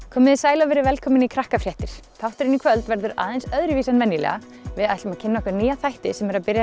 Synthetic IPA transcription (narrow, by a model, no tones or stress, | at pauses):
kʰɔːmɪðɪsaːjlavɛɾɪvɛlkʰɔːmɪnikʰɾahkafɾjɛht̪ɪɾ̥t̪ʰawht̪ʏɾɪnikʰvœlt̪vɛɾðʏɾʔa̰ːðɛnsœðɾɪviːsɛnvɛnːjilɛ̰ɣa | vɪðajht̪ɪmacʰɪnːaɔhkaɾniːjaθajht̪ɪsɛmɛɾaðpɪɾja